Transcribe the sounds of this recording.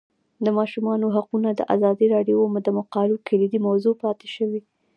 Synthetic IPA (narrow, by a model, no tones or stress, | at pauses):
d̪əmɑʃumɑnoɦaqunad̪ə̰ʔa̰zɑd̪iɾɑɖjomʊd̪amʊqɑlukʰalid̪imawzopɑt̪e̥ʃəwi